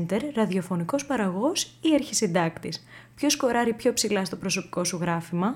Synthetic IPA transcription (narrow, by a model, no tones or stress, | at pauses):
nt̪e̞ɾːɐðio̞fo̞niko̞spɐɾɐɣo̞siɐɾçisind̪ɐkt̪ispço̞sko̞ɾɐɾipço̞psilɐst̪opɾo̞so̞pi̥ko̞suɣɾɐfimɐ